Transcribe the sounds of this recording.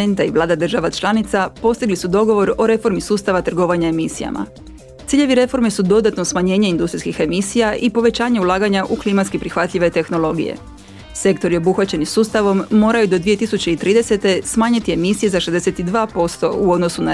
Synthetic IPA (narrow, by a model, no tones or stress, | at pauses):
ent̪aiʋlˠaːd̪ad̪r̩ʒaʋat͡ʃlˠanit̪sapo̞st̪iɡlisud̪o̞ɡo̞ʋo̞ɾo̞ɾe̞fo̞ɾmisuːst̪aʋat̪r̩ɡo̞ʋaɲaemisija̰ma̰ | t̪siːʎe̞ʋiɾe̞fo̞ɾmesud̪o̞d̪at̪no̞smaɲe̞ːɲe̞ind̪ust̪ɾiskixe̞misijaʔipo̞ʋe̞t͡ɕaːɲe̞ulˠaːɡaɲaʔuklimat̪skipɾixʋat̪ʎʲiʋe̞t̪e̞xno̞lo̞ɡḭjḛ | se̞kt̪o̞ɾio̞buxʋat͡ɕe̞nisuːst̪aʋo̞mːo̞ːɾajud̪o̞d̪ʋije̞t̪isut͡ɕe̞it̪ɾiːd̪ese̞t̪e̞smaːɲit̪ie̞misije̞zaʃezd̪ese̞t̪id̪ʋaːpo̞st̪o̞uod̪no̞suna